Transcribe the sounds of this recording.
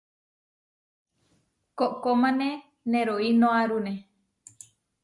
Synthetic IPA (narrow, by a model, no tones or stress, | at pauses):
koʔkomãnẽ | nẽɾoinõaɾune